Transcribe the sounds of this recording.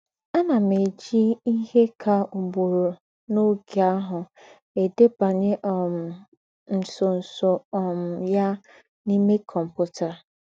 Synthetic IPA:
a˦na˨me˨d͡ʒi˦i˦ɦe˦kʰa˨u˨bo˨ɾo˨ | no˦ɡe˨a˦ɦʊ˨ | e˨de˦pa˨ɲɪ˦ʔɔ˨ | n̩˨sʊ˨n̩˨sʊ˨ɔ˨m̩˨ja˦ | ni˦me˦kʰɔ˨m̩˨pʊ˦ta˨

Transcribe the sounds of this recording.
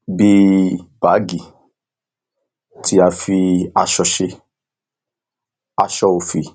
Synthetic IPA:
bi˦b̥a˨˦ɡi˨ | tʰi˦a˧fi˧a˧ʃɔ˧ʃe˧˦ | a˧ʃɔ˧o˨fi˨

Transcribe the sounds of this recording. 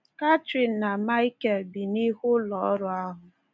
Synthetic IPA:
ka˦tɾi˨nːa˨ma˦i˦ke˨lbi˨ni˦ɦʊ˦lɔ˨˦ɾʊ˨a˦ɦʊ˨

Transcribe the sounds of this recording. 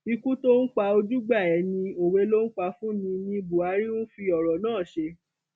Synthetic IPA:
i˧kũ˦to˦n̩˦k͡pa˧o˧d͡ʒu˦ɡ͡ba˦˨ɛ˨˦nĩ˧o˨we˨˧˦lo˦n̩˦k͡pa˧fũ˦nĩ˧nĩ˧bu˨a˨˦ɾi˦nũ˦fi˧ɔ˨ɾɔ˨nãː˦˨ʃe˧

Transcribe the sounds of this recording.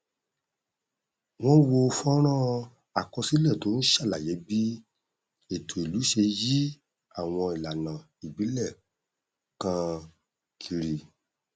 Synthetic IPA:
w̃ɔ̃˦wo˧˦˧fɔ˦ɾ̃ã˦˨ | a˨kɔ˧si˦lɛ˦˨to˨˦n̩˦ʃa˦˨la˨je˨˦bi˦ | e˨tʰo˨i˨lu˨˦ʃe˧ji˦ | a˦˨w̃ɔ̃˧i˨la˨nã˨ | i˨bi˨˦lɛ˦˨ | kã˧ | kʰi˧ɾi˨

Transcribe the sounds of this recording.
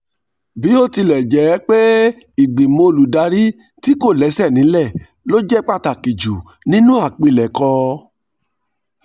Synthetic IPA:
bi˨˦o˦˨ti˧lɛ˨d͡ʒɛ˨˦k͡pe˦ | i˨ɡ͡bi˨mõ˧o˧lu˨da˧ɾi˦ | ti˦ko˦˨lɛ˨˦sɛ˦˨nĩ˨˦lɛ˦˨ | lo˦d͡ʒɛ˦k͡pa˦˧ta˨ki˨d͡ʒu˨ | nĩ˦nũ˦a˦˨k͡pi˧lɛ˨kɔ˧

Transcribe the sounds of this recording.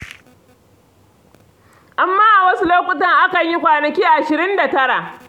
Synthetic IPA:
ʔa˨mːaː˦ʔa˨wɐ˦su˦loː˦kʷʼʊ˦tɐ˦ŋʔa˦kɐ˨ɲji˦kʷaː˨nɐ˨kʲiː˦ʔʔa˨ʃɪ˨ɾɪ˦nda˨tɐ˦ɽa˨

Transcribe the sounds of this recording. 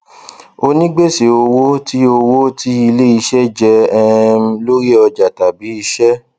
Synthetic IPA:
o˧nĩ˦ɡ͡be˦˨se˨o˧wo˦ti˦o˧wo˦ti˦i˧le˦i˧ʃɛ˦d͡ʒɛ˦ɛ˦˧˦lo˦ɾi˦ɔ˧d͡ʒa˨ta˨bi˨˦i˧˦ʃɛ˦

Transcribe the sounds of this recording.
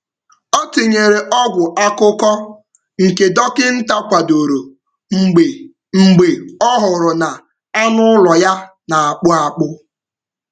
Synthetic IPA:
o˦ti˨ɲe˨ɾe˨ʔɔ˦ɡʷʊ˨ʔa˦kʊ˦kɔ˦ | ŋ̩˨ke˨dɔ˦kɪ˦n̩˦ta˦kʷa˨do˨ɾo˨ | ŋ͡m̩˨e˨ | ŋ͡m̩˨ɡ͡be˨ɔ˦ɦʊ˨ɾʊ˨na˨ | a˦nʊ˦lɔ˨ja˦ | na˨a˨k͡pʊ˦a˨k͡pʊ˦

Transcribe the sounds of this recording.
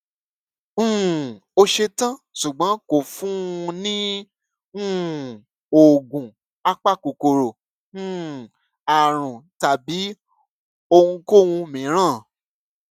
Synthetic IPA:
o˧ʃe˧tã˦˨ʃu˨ɡ͡bɔ̃˨˦ko˨fũ˦˧nĩ˦ | ũ˦ | o˨ɡũ˨ | a˦k͡pa˦˨ko˨ko˨ɾo˨ | ũ˦˨ | a˨ɾ̃ũ˨ta˨bi˨˦ | o˧hũ˧ko˦˨wũ˧mĩ˨˦ɾ̃ã˦˨

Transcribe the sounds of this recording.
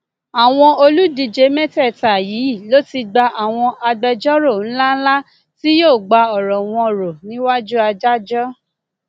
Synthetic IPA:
a˨w̃ɔ̃˧o˧lu˦di˧d͡ʒe˧˦mɛ̃˦tɛ˦˨ta˨ji˨˦i˦˨lo˦ti˧ɡ͡ba˧ʔa˨w̃ɔ̃˧ʔa˧ɡ͡bɛ˧d͡ʒɔ˦ɾo˦˨n̩˦la˦n̩˦la˦ | ti˦joː˦˨ɡ͡ba˧ɔ˨ɾɔ˨w̃ɔ̃˧ɾo˨nĩ˨˦wa˦d͡ʒu˦a˧d͡ʒa˦d͡ʒɔ˦

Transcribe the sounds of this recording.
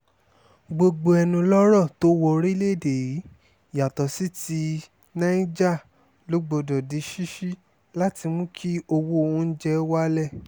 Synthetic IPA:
ɡ͡bo˧ɡ͡bo˧ɛ˧nũ˧lɔ˦ɾɔ˦˨to˦wɔ˧ɾi˦le˦˨de˨ji˨˦ | ja˨tɔ˨si˦ti˧ | nã˦i˦d͡ʒa˦˨ | lo˨˦ɡ͡bo˧dɔ˨di˨˦ʃi˦ʃi˦ | la˦ti˧mũ˦kʰi˦o˧wo˦o˧ũ˦n̩˦d͡ʒɛ˧˦wa˦lɛ˦˨

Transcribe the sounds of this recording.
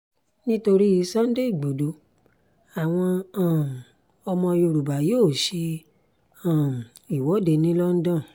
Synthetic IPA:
nĩ˦to˧ɾi˦ji˧sã˦n̩˦de˦i˦˨ɡ͡bo˨do˨˦ | a˨w̃ɔ̃˧ã˨ | ɔ˧mɔ̃˧jo˧˨ɾu˨ba˨joː˦˨ʃe˧ | ã˨i˨wɔ˨˦de˧nĩ˦lɔ˦n̩˦dã˦˨

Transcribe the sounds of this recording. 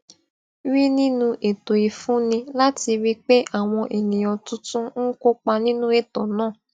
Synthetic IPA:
wi˦nĩ˦nũ˧ʔe˨to˨i˨fũ˨˦nĩ˧la˦ti˧wi˦k͡pe˦ʔa˦˨w̃ɔ̃˧ʔe˨nĩ˨jɔ̃˨tũ˦tũ˦n̩˦ko˦k͡pa˧nĩ˦nũ˦e˦˨tɔ˨nãː˦˨

